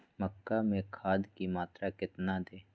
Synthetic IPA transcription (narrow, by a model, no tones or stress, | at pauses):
məkːamẽkʰaːd̪kimaːt̪ɾakɪt̪nad̪eː